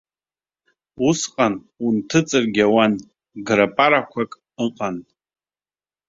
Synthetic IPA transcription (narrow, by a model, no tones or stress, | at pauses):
usqʼan | untʰɨt͡sʼɨrɡʲawan | ɡɾapʼaɾakʷʰakʼ | ɨqʼanʼ